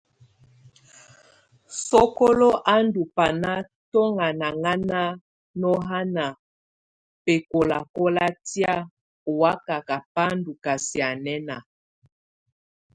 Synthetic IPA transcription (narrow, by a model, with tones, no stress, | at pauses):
sɔ˦kɔ˦lɔ˦ʔa˦ndu˨pa˨na˦ | tɔ˦ŋa˨na˨ŋa˦na˦ | nɔ˦ɦa˦na˨ | pe˨ko˨la˨kɔ˦la˦tja˦ | o˨wa˦ka˨ka˨pa˦ndu˨ka˨si˨a˨nɛ˦na˨